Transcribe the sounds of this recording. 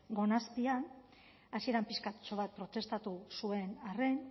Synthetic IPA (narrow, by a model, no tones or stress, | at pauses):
ɡo̞nast̪ian | asie̞ɾampiskat̪t͡ʃo̞βat̪̚pɾo̞t̪e̞st̪at̪usue̞nare̞n